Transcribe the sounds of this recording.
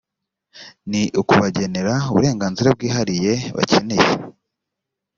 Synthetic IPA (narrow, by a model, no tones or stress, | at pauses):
niʔukuβaɟe̞ne̞ɾauβṵɾe̞ːŋɡaːnziɾab̚ɡiːɦaɾije̞βa̰cʰe̞ne̞je